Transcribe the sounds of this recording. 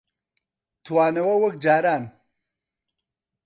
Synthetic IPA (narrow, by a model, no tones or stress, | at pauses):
t̪ʰuwaːnɐwɐwɐk̚d͡ʒaːɾaːn